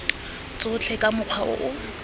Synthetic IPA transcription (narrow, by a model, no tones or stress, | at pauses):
t͡sʼʊt͡ɬʰɛkʼamʊq͡χʰwaʔʊ̰ʔʊ